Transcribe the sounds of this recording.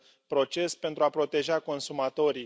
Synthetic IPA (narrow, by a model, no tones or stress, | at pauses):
pɾo̞t͡ʃe̞spe̞nt̪ɾuapɾo̞t̪e̞ʒako̞nsumat̪o̞ɾi